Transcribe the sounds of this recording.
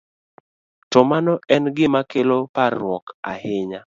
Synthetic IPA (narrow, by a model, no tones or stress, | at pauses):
tɔmanɔɛnɡɪmakeloparːwɔka̰hɪɲa